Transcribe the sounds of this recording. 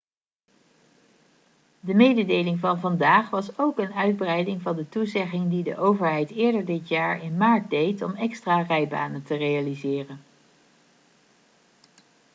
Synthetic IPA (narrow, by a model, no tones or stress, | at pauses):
dəmejdədejlɪŋvɑnvɑndaːχʋɑsowkənœɥd̚brɛjdɪŋvɑndətuzɛχɪŋdidə̰ʔowvəɹɦɛjtɪːɹdəɹdɪtjaːɹɪnmaːɹt̚dejtɔmɛkstraːrɛjba̰ːnəntərejalizɪːrən